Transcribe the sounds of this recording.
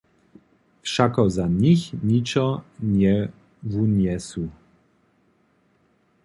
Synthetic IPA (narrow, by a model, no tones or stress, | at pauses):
fʂakɔzaɲixɲit͡ʂɔɲɛ | vuɲɛsu